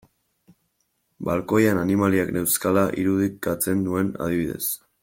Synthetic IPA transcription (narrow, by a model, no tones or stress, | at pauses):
balko̞jananimaliakne̞wskalaʔiɾuðikat͡se̞nd̪ue̞na̰ð̞iβiðe̞̰s